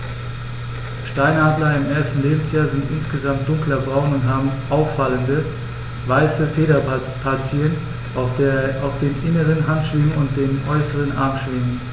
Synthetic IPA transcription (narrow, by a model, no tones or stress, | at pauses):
ʃtaɪnhadlɐɪmʔeːɐstn̩leːbm̩sjaːzɪntʔɪnsɡ̥əzamt̚d̥ʊŋklɐbʁaʊnʊntɦaːbm̩ʔaʊfaləndə | vaɪsəfeːɾɐ | pʰaɐt͡siən | aʊfd̥eːnʔɪnəʁənɦantʃv̥ɪmənʊnt̚d̥eːnʔɔʏsəʁənʔa̰ɐmʃv̥ɪmən